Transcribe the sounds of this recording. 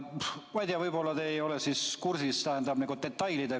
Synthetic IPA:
mɑjd̪eɑvɤjbo̞lːɑt̪eejo̞lesiskursist̪æɦend̪ɑb̥niŋɡud̪e̞t̪ːˑɑjlid̪̥e

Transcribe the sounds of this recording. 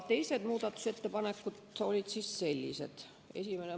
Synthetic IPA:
t̪e̞jsed̪̥muːd̪̥ɑt̪ːu̥set̪ːepɑnekːut̪olʲit̪sisselʲːḭsḛt̪ | esimene

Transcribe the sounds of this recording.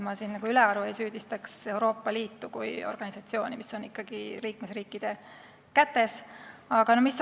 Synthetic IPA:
mɑsinnɑɡ̥uylɛɑɾue̞jsyːd̪̥ist̪ɑkse̞uɾo̞ːpːˑɑliːt̪ːukṵjo̞rɡ̥ɑnisɑt̪sio̞ːnʲimisːo̞nikːɑɡ̥iliːk̚mesriːkːˑid̪̥e̞ | kæt̪ːˑe̞sɑɡ̥ɑnomisː

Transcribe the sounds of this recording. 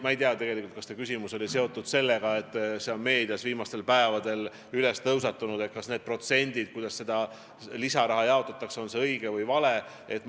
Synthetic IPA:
mɑejt̪iɑt̪e̞ɡe̞likult̪̚kɑst̪ekys̬ʲimuso̞lʲise̞o̞t̪ːˑud̪̥se̞lːeɡ̥ɑe̞t̪ːˑseonme̞ːd̪̥ijɑsviːmɑst̪e̞lpæevɑd̪̥e̞l | ylest̪ɤws̬ɑt̪ːunud̪e̞t̪̚kɑsne̞ːd̪̥̚pro̞t̪se̞nʲd̪id̪̚kujd̪ɑsse̞d̪̥ɑ | lisɑɾɑɦɑjɑo̞t̪ːˑɑt̪ːˑɑkseo̞nse̞ɤiɡ̥evɤjvɑle̞ | et̪ːˑ

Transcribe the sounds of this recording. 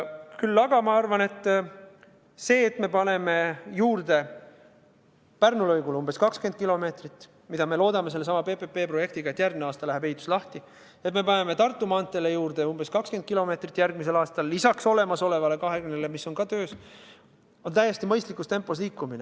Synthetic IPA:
kylːɑɡ̥ɑmɑɑrvɑne̞t̪ːˑ | se̞ːt̪ːme̞pɑne̞me̞juːrd̪e̞ | pærnulɤjɡulumb̥e̞skɑkske̞nd̪̚kilo̞me̞ːt̪rit̪ːˑ | mid̪̥ɑme̞lo̞ːd̪ɑmese̞lːe̞sɑmɑpe̞pepːe̞ːpro̞je̞k̚t̪iɡ̥ɑet̪jærɡ̚mneɑːst̪ɑlæɦæpejt̪ːˑu̥slɑht̪i | et̪me̞pɑne̞me̞t̪ɑrt̪ˑːumɑɑnt̪ːˑe̞lejuːrd̪̥e̞umb̥e̞skɑkskend̪̥̚kilo̞me̞ːt̪rit̪ːˑjærɡ̥̚mise̞lɑːst̪ɑlːisɑkso̞le̞mɑso̞le̞vɑle̞kɑɦe̞kymnːele̞misːo̞nkɑt̪ø̞ːs | o̞nt̪æje̞st̪imɤ̞jst̪likːˑust̪e̞mpːˑo̞sliːkːˑumine

